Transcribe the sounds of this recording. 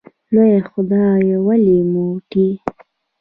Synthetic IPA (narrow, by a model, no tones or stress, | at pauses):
lojaxʊd̪ɑjawalimoʈi